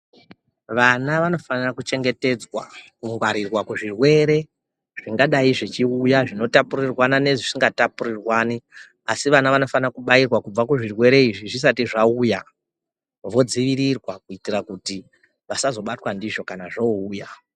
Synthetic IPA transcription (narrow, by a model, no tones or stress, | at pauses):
ʋanaʋano̞fanirakut͡ʃe̞ŋɡe̞te̞d͡zwa̰kuŋɡwaɾirwakuʐirwe̞ɾe̞ | ʐ̥iŋɡaɗaiʐit͡ʃiujaʐino̞tapurirwanane̞ʐisiŋɡatapurirwani | asiʋanaʋano̞fanrakuɓairwakub͡vakuʐirwe̞ɾe̞iʐiʐis̬atiʐauja | ʋo̞d͡ziʋiɾirwakuitirakuti | ʋasazo̞ɓatwandiʐo̞kanaʐouːja